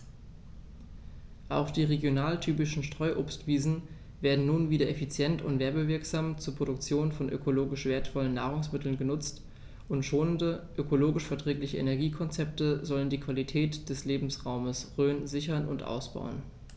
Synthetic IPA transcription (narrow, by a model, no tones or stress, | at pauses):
ʔaʊxd̥iːʁeɡjonaːltʰyːpɪʃn̩ʃtʁ̥ɔʏʔoːpstv̥iːzn̩ | veːɐdn̩nuːnviːdɐʔefit͡sjɛntʰʊ̰ntvɛɐbəvɪɐkz̥aːmt͡suːɐpʁ̥oɾʊkt͡sjoːnfɔnʔø̰kʰoloːɡɪʃv̥eːɐtfɔlənːaːʁ̞ʊŋsmɪtl̩nɡənʊt͡st | ʔʊntʃoːnəndəʔøkʰoloːɡɪʃfɛɐtʁ̥ɛːklɪçəʔḛnɛɐɡiːkʰɔnt͡sɛp̚təzɔləndiːkv̥alitʰɛːtd̥ɛsleːbm̩sʁaʊməsʁøːnzɪçɐnʊ̰ntʔa̰ʊsb̥a̰ʊən